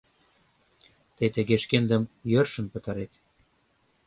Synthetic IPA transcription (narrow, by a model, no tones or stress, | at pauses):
t̪et̪əɣeʃkend̪ə̆mjørʃə̆npə̆t̪ɑɾet̪